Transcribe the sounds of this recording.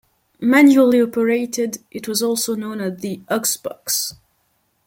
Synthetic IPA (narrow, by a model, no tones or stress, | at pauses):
mæ̃njuəl̩ˠiɔpəɹeɪtɪdʔɨt̚wʌzɔlˠsoʊnõʊ̃nɨzðiʔʌksb̥ɑks